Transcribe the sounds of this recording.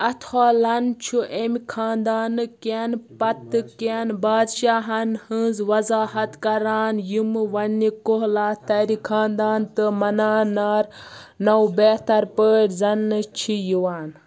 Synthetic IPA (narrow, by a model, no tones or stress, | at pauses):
ɐt̪ʰoːlɐnt͡ʃʰuʔemikʰaːnd̪aːnɨkenpɐt̪ːɨkenbaːd̪ʃaːɦɐnhɨːzʋɐzaːhɐt̪kɐɾaːnjimɨʋɐnːikoɦlaːt̪ɐɾikʰaːnd̪aːnt̪ɨmɐnaːnaːɾ | nɐwbeːt̪ɐɾpəːɽʲzɐnːɨt͡ʃʰijiwaːn